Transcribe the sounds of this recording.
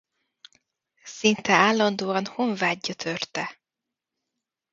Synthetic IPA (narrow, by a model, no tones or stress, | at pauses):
sint̪ɛaːlːɒnd̪oːɒnhoɱvaːɟːɒt̪ʰørt̪ɛ